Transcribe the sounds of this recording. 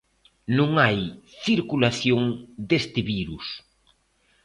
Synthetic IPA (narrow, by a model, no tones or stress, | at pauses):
nõŋajθiɾkulaθjoŋd̪est̪eβiɾus